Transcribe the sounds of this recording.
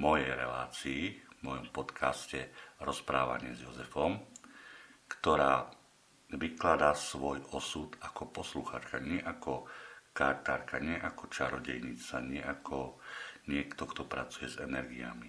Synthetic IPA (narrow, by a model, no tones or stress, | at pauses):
mɔjɛjɾɛ̰laːt͡siːvmɔjɔmpɔt̪kʰascɛɾɔspɾaːʋa̰ɲɪɛzjɔzɛfɔm | kt̪ɔɾaː | ʋiklad̪asʋɔjɔsut̪akɔpɔsluxa̰ːt͡ʃkaɲɪɛʔakɔkaɾt̪aːɾkaɲɪɛʔakɔt͡ʃaɾɔɟɛjɲit͡saɲɪɛʔakʰɔɲɪɛkt̪ɔkt̪ɔpɾat͡sujɛzɛnɛɾɡia̰mi